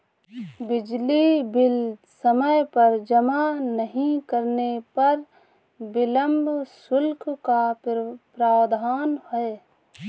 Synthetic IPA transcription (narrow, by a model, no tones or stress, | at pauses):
bɪd͡ʒlibɪlsəməjpəɾd͡ʒəmanəɦĩkəɾnepɐɾ | bɪləmbʱsʊlkʰkapɾaːd̪ʱaːnhɛe